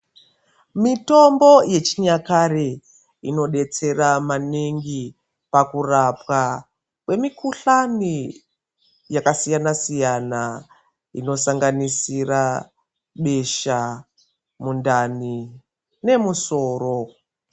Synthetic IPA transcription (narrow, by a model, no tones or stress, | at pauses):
mito̞mbo̞je̞t͡ʃiɲakaɾe | ino̞ɗe̞t͡se̞ɾamaneŋɡi | pakurapwa | kwe̞mikuɬani | jakasijanasijana | ḭno̞saŋɡanisira | ɓe̞ʃa | mundani | ne̞muso̞ːro̞